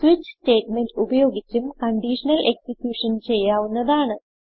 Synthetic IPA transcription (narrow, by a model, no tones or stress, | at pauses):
swʋit͡ɕːste̞ːtme̞nɖubɐjo̞ːɡit͡ɕʲːumkɐɳɖiːʂɐnɐlʔe̞ksikjuːʂɐnt͡ɕe̞jːaːʋunːɐðaːɳɨ